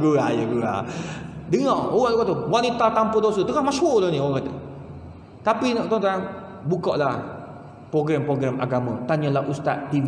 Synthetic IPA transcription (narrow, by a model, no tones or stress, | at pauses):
ɡuajəɡua̰ | dəŋɔʔoɣaʔduɡaʔt̪uwanit̪at̪ampədos̬ət̪əŋahmaʃoʔlohnioɣaʔkat̪ə | t̪apinɔʔt̪ɔŋt̪aaŋ | bukɔʔlah | pɾoɡɾɛmpɾoɡɾɛmʔa̰ɡamə̃t̪aɲalahʔust̪aʔ̪t̪i